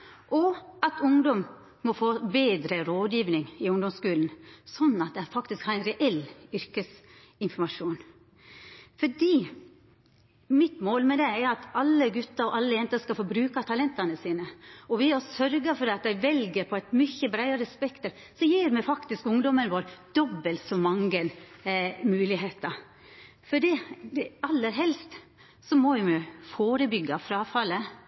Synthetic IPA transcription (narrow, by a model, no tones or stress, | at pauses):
ʔɔɑt̪ʰʊŋd̪ɔm | mɔfoːbeːd̪ɾəɾoːd̪jiːʋnɪŋɪʊŋd̪ɔmskʉːlnsɔnːɑt̪̚d̪ɛæɾfɑkt̪ɪskhɑɾæɪnɾɛʔɛlʏɾkəs | ɪnfɔɾmɑʂuːn | fɔɖiː | mɪt̪moːlmɛd̪ɛæɾɑt̪ɑlːəɡʉt̪ːɑɾɔʔɑlːəjɛnt̪əskɑlfɔɾbɾʉːkɑt̪ʰɑlɛnt̪ɑnəsiːnəɔʋɪɔsœɾɡəɾfɔɾɑt̪æɪʋɛlɡəɾpʰɔæɪt̪mʏçəbɾæɪɑɾəspɛkt̪əɾ | sɔjiːɾmɛfɑkt̪ɪskʊŋd̪ɔmənʋoːɾd̪̥ɔbːəlt̪sɔmɑŋɡən | mʉːlɪɦeːt̪əɾ | fɔɖɛd̪ɛɑlːəɾɦɛlst̪ | sɔmɔɪmɛfoːɾəbʏɡːɑfɾɑfɑlə